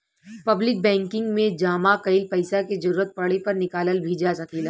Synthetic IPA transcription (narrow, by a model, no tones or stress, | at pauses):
pɐblɪk̚bɛ̃ːŋkɪ̃ŋɡmẽd͡ʒaːmakɐɪlpɐɪsaked͡ʒɐɾuːɾət̪̚pɐɽepɐɾnɪkaːləlbʱid͡ʒasɐkiːla